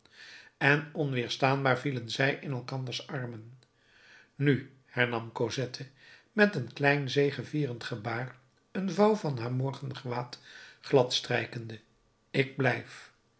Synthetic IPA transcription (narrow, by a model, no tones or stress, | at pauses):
ɛnɔnʋɪːɹstaːnbaːɹvilənzɛjʔɪnɛlˠkɑnd̪əɹsɑrmən | ny | hɛɹnɑmkozɛtʰə | mɛtənklɛjnzejχəviːrəntχəbaːr | ənvɑwvɑnɦaːɹmɔɹχənχəʋaːtχlɑtstrɛjkəndə | ɪɡ̚blɛjf